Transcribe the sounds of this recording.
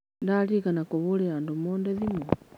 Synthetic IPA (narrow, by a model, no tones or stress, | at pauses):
ndalikanakɔβulɛandumɔndɛðimɔ